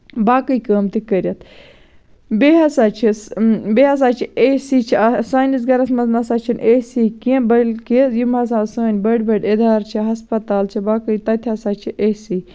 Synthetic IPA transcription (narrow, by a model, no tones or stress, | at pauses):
baːkəjkəːmt̪ikəɾjɐt̪ʰ | beɦɐsaːt͡ʃʰibeɦɐs̬aːt͡ʃʰieːsiːt͡ʃʰiasaːnisɡɐɾɐsmɐznɐsaːt͡ʃʰinʲʔesikiẽbɐlkizjumɐs̬ãːsɐːnʲbɐɖʲbɐɖʲed̪aːɾt͡ʃʰiɦɐspɐt̪aːlt͡ʃʰibaːkəit̪ɐt̪ʰʲɐsaːt͡ʃʰiʔeːsiː